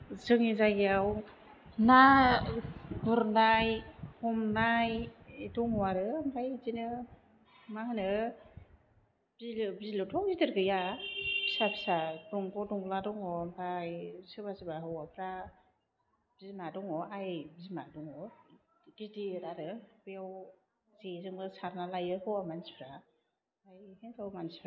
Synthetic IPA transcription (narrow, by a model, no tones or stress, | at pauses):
zɯŋizajɡiaw | na | ɡuɾndajhɔmnajetɔŋɔwaɾɯampʰajzinɯ | mahɯnɯ | b̥ilɯbizlɯtʰɔŋzitɯɾɡɯjapʰi̥sapʰi̥sadɔŋɡɔdɔŋbladɔŋɔampʰajsɯbasɯbaɦɯwapʰɾa | b̥izimadɔŋɔajbizimadɔŋɔ | didiɾaɾɯbɯjaw | zezɯŋbɯsaɾnalajɯhɔwamansi̥pʰɾa | ajhenzawmanspʰɾa